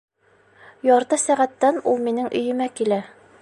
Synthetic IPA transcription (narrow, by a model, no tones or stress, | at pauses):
jɒɾt̪ɤsæʁæt̪ːænulˠminɘŋʔɵ̆jɘ̆mækilæ